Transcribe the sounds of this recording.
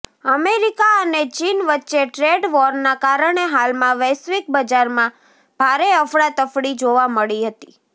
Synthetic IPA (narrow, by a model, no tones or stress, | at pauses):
əmeɾikaənet͡ʃinʋətːʃeʈɾeɖʋɔɾnakaɾəɳ̃eɦalmãʋɛsʋik̚bəd͡ʒaɾmã | b̥ʱaɾeəfɽat̪əfɽid͡ʒoʋaməɭiɦət̪i